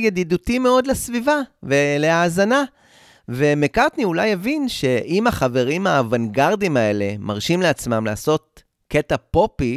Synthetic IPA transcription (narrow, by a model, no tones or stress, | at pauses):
jad̪id̪utime̞o̞d̪lesvivavele̞aːzana | ve̞mekaʁt̪niulajavinʃe̞ʔimaχave̞ʁimhavanɡaʁd̪imae̞le̞maʁʃimleat͡smamla̰ːso̞t̪̚ | ketapo̞pi